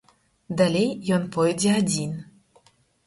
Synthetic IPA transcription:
d̪alʲejːɔnpɔjd͡zʲɛad͡zʲin

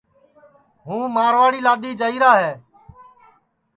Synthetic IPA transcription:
ɦũːmaːɾʋaːɽiːlaːd̪iːd͡ʒəiːɾaːɦeː

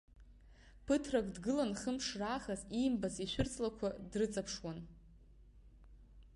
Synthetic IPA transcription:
pʰɨtʰrakʼdɡɨlanχəmʂraːχazimbaziʃʷᶣʊrt͡sʼlakʷʰadrɨt͡sʼapʰʂwan

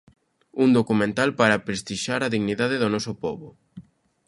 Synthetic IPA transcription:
und̪okumẽnt̪alpaɾɐpɾest̪iʃaɾɐðiɣniðaðɪðʊnɔsʊpɔβʊ

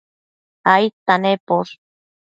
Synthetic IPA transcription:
ajt̪ːanepos

